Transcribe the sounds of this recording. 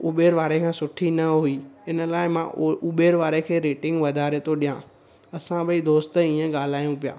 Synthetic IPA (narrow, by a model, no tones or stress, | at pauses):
uɓeːɾʋaːɾekʰãːsʊʈʰinɐɦuiɪnə̆laːɪmãuɓeːɾʋaːɾekʰeːɾeːʈɪ̃ŋɡʋɐd̪ʱaːɾet̪ʰoɗijã | ɐsãɓɐid̪oːst̪əĩːə̃ɠaːl̤aːjũpija̰ː